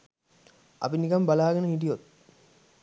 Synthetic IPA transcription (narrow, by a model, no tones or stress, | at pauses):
ɐ̰pinikɐmbalaːɡɐnəɦiʈ̬ijot̪